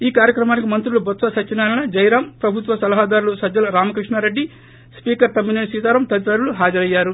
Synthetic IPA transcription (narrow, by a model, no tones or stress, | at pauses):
iːkaːɾjɐkɾɐmaːnikimɐnt̪ɾulubɐt̪sɐsɐt͡ʃːinaːlɐnɐd͡ʒɐjɾaːmpɾɐbʱut̪ʋɐsɐlɐɦaːd̪aːɾulusɐdːɐlɐɾaːmɐkɾiʂɳaɾe̞ɖːi | spiːkɐɾt̪ɐmːineɳsiːd̪aːɾɐmt̪ɐd̪it̪ɐɾuluɦaːd͡ʒɐɾɐjːaːɾu